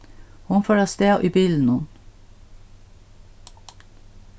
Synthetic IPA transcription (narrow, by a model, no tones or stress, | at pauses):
hʊnfoːɾɑːst̪eːʔiːbiːln̩ʊn